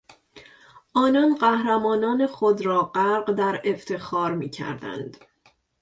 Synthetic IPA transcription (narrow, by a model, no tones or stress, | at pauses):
ʔɒːnɒːnɢæhɾæmɒːnɒːnexod̪ɾɒːɢæɾɢd̪æɾe̞ft̪ʰexɒːɾmiːcʰæ̰ɾd̪æ̰nd̪̥